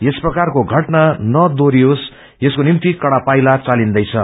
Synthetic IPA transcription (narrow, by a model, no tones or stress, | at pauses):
jesprʌkarkoɡʱʌʈnanʌd̪oɾiɦos | jeskonimt̪ikʌɽapajlat͡salind̪ʌjt͡sʰʌ